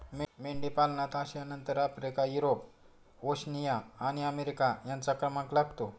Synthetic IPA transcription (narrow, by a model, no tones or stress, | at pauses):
memeɳɖipalnat̪ʰaɕjanənt̪əɾapɾekajuɾop | oɕnijaːñiəmeɾikajant͡sakɾəmãklaɡt̪o